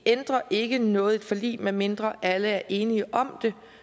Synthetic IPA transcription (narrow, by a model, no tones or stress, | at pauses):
end̥ʁɐʔe̝ɡ̥ənɔ̽ːð̞̩ˠe̝d̥fɒ̽lḭːmeme̝nd̥ʁɐʔæləæɐʔe̝ːniəʔɒ̽md̥e̝